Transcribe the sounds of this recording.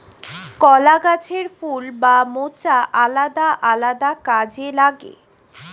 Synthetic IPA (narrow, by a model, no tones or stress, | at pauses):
kɔlaɡat͡ɕʰeɾfulbamot͡ɕaʔalad̪aʔalad̪akad͡ʑelaɡḛ